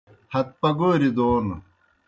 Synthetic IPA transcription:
hɐt̪̚pɐɡoːɾid̪oːn

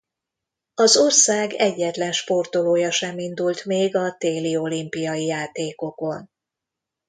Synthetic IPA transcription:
ɒzo̞rsaːɡɛɟːɛt̪lɛnʃpo̞rt̪o̞loːjɒʃɛmind̪ult̪meːɡɒt̪eːlio̞limpijɒjijaːt̪eːko̞ko̞n

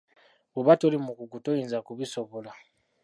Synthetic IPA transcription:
uβatolimukukutoinzakuβisoβola

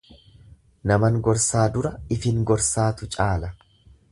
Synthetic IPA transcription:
nɐmɐŋɡɔɾsaːd̪ʊɾɐɪfɪŋɡɔɾsaːt̪ʊt͡ʃʼaːlɐ

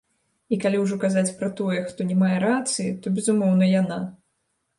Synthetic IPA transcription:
ikalʲiwʐɔkazat͡sʲpɾɐt̪ɔjɛxt̪ɔnʲɛmajɛɾat̪sɨjit̪ɔbʲɛzumɔwn̪ɐjana

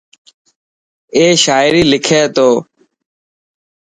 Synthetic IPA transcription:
eːʃaːɪɾiːlɪkʰeːt̪oː

